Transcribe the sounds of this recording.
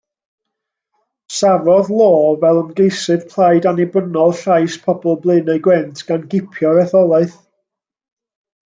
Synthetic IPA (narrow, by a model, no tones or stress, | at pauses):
savɔðlˠoːvɛlˠəmɡejsɨv̥pʰl̥ˠajdanɪbənɔlˠɬajspʰɔbɔlˠblˠɨneɡwɛntʰɡ̥anɡɪpʰjɔɾɛθɔlˠaɨθ